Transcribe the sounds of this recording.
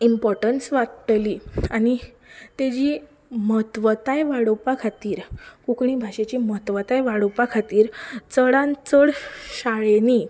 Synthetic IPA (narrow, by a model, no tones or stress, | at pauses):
impɔɾʈənsʋat̪liani | t̪ed͡ʑiː | mət̪ʋət̪ajʋaɽopakʰat̪iːɾkukɳibʱaɕet͡ɕiːmət̪ʋət̪ajʋaɽopakʰat̪iːɾt͡səɽãnt͡səɽɕaɭeni